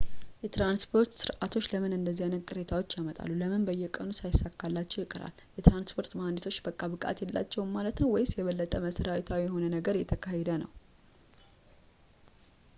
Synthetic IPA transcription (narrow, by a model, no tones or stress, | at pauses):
jɛt̪ɾanspʰo̞ɾt̪sɨɾʔat̪ʰo̞t͡ʃːləmɨnɨnd̪əzːianəkʼɨɾe̞t̪ʰawot͡ʃːjamət̪ʼa̰lːuləmɨnbəjːɛkʼənusajɪsːakːalːat͡ʃːɛwjɪkʼɨɾa̰ljɛt̪ɾanspʰo̞ɾt̪mand̪et̪ʰo̞t͡ʃːbəkʼːabɨkʼa̰t̪jɛlːa̰t͡ʃːɛwnmalət̪nəwɔjsjɛβəlːət̪ʼəməsəɾawit̪ʰawijɛho̞nənəɡəɾjɛt̪ʰəkʰahed̪ənəw